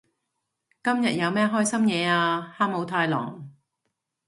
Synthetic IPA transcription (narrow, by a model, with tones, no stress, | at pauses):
kɐ˥mjɐ˨t̚jɐ˨˧wmɛː˥ɦɔː˥jsɐ˥mjɛː˨˧aː˧haː˥mmo˨˧wt̪ʰaː˧jlɔ̰ː˨˩ŋ